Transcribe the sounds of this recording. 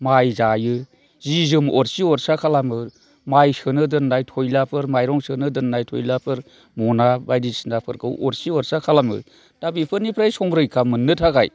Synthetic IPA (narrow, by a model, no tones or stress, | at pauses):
majzajɯ | zizɯmɔɾsiɔɾsakʰalamɯ | majsɯnɯdɯnːajtʰojlapʰɯɾmajɾɔŋsɯnɯdɯnːajtʰo̰jlapʰɯɾ | mɔnabajdisɯndapʰɯɾkʰɯwʔɔɾsiɔɾsakʰalamɯ̰ | d̥abipʰɯɾnipʰɾajsɔŋɾɯjkʰamɯnːɯtʰaɡa̰j